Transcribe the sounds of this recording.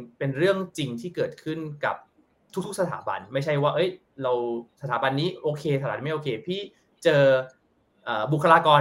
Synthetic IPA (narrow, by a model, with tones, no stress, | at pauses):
pe˧nɾɯ˥˩əŋt͡ɕi˧ŋt̪ʰiː˥˩kɤː˨˩t̪̚kʰɯ˥˩nka̰˨˩p̚ | t̪ʰu˦˥kt̪̚ʰsa˧t̪ʰa̰ː˩˦ba̰˧nma˥˩jt͡ɕʰa˥˩jwaː˥˩ʔɤ˦˥j | ɾa˧wsa˧t̪ʰaː˩˦ba˧nːiː˦˥ʔoː˧kʰeː˧aː˨a˨˦˩ma˥˩jʔoː˧kʰeː˧pʰiː˥˩ | t͡ɕɤː˧ | ʔaː˨˩bu˨˩kʰːa˧laː˧kɔː˧